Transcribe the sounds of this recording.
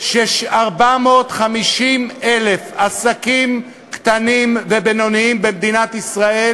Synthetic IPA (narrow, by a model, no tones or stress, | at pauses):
ʃeʃaʁbamo̞ːt̪χamiʃimele̞fasakim | kt̪animvebeno̞niimbemd̪inat̪isʁae